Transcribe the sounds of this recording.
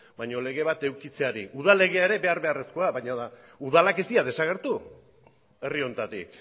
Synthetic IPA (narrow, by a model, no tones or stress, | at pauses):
bajɲo̞le̞ɣe̞β̞at̪e̞wkit͡se̞aɾiʔuð̞ale̞ɣ̞e̞aeɾe̞be̞aɾβe̞are̞skoaβajɲaða | uðalake̞st̪iaðe̞saɣ̞e̞ɾt̪u | e̞rio̞nt̪at̪ik